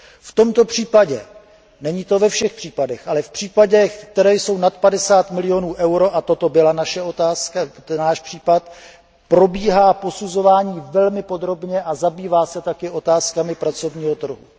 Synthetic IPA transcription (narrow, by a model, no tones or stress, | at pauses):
ft̪o̞mt̪o̞pr̝̥iːpaɟɛ | nɛɲiːt̪o̞vɛfʃɛxpr̝̥iːpadɛxʔalɛfpr̝̥iːpaɟɛxt̪ɛɾɛːjso̞wnat̪padɛsaːt̪mɪlɪjo̞nuːʔɛwɾo̞ʔat̪o̞t̪o̞bɪlanaʃɛot̪aːskanaːʃpr̝̥iːpat̪ | pɾo̞biːɦaːpo̞suzo̞vaːɲiːvɛlmɪpo̞d̪ɾo̞bɲɛʔazabiːvaːsɛt̪akɪʔo̞t̪aːskamɪpɾat͡so̞vɲiːɦot̪r̩ɦṵ